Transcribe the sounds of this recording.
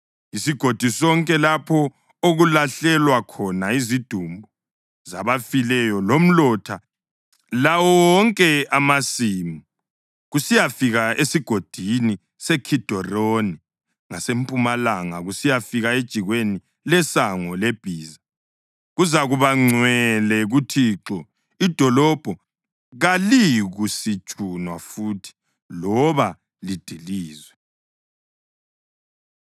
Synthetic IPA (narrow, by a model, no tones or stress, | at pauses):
isiɡ̥ʱod̥ʱisɔŋkʼɛlapʰɔ | oɣulaɬɛlwakʰɔnaizid̥ʱumbʱu | zaβafilɛjɔlom̩lɔtʰa | lawɔwɔŋkʼɛamasiːmi | ɣusijafiɣaesiɡ̥ʱod̥ʱini | sɛkʰid̥ʱɔroni | ŋasempʼumalaŋaɣusijafiɣaed̥ʒ̥ʱiɣweni | lɛsaŋɔleb̥ʱiːza | ɣuzaɣuβaŋ͡ǀwɛlɛɣutʰiːǁɔ | id̥ʱɔlɔb̥ʱɔ | ɣaliɣusit͡ʃʼunwafuːtʰi̥ | lɔβa | lid̥ʱiliːzwɛ